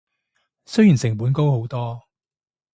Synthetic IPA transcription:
sɵ˥ɥjiː˨˩nsɪ˨˩ŋpuː˨˥nko˥who˨˥wt̪ɔː˥

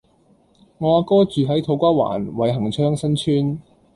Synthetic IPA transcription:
ŋɔː˨˧a˨˧kɔː˥t͡ʃyː˨ɦɐ˨˥jt̪ʰo˨˧˥wkʷaː˥wa̰ː˨˩nwɐ˨˧jɦɐ˨˩ŋt͡ʃʰœː˥ŋsɐ˥nt͡ʃʰyː˥n

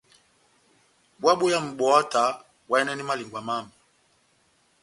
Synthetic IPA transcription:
ɓwa˦ɓo˦ja˦m̩˨ɓɔ˨a˦ta˨˦ | wa˦ɛ˦nɛ˦ni˦ma˦li˨ŋɡwa˨ma˦mi˨

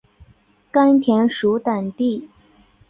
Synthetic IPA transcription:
ka˥nt̪ʰjɛ˧˥nʂu˧˥t̪a˨˩nt̪i˥˩

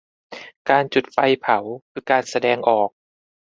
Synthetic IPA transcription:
kaː˧nt͡ɕu˨˩t̪̚fa˧jpʰa˩˦wkʰɯː˧kaː˨˩nsa˧dɛː˧ŋʔɔː˨˩k̚

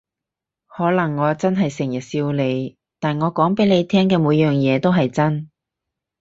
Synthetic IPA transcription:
hɔː˨˥lɐ˨˩ŋːɔː˨˧t͡sɐ˥nɦɐ˨jsɪ˨˩ŋjɐ˨˩t̚siː˧wle˨˧j | t̪aː˨nŋɔː˨˧kɔː˨˥ŋpe˨˥jle˨˧jt̪ʰɛː˥ŋkɛː˧muː˨˧˥jœː˨ŋjɛː˨˧t̪o˥wɦɐ˨jt͡sɐ˥n

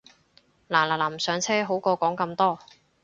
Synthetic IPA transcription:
laː˨˩laː˨˩laː˨˩m˨sœː˨˧˥ŋt͡sʰɛː˥ɦo˨˥wkɔː˧kɔː˨˥ŋkɐ˧mt̪ɔː˥

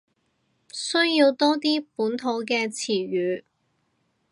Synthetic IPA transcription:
sɵ˥ɥjiː˧wt̪ɔː˥t̪iː˥puː˨˥nt̪ʰo˨˥wkɛː˧t͡sʰiː˨˩ɥyː˨˧˥

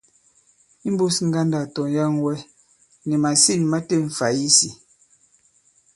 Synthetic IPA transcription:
i˦m̩˦bu˦sŋ̩˦ɡa˦nda˨tɔ˨ja˦ŋwɛ˦ | nɛ˨ma˨si˦˨n˨ma˦te˦˨ɱ̩˨fa˨ji˦si˨

